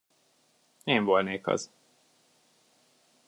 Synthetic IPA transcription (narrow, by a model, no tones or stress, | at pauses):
eːɱvolneːkhɒ̰z̥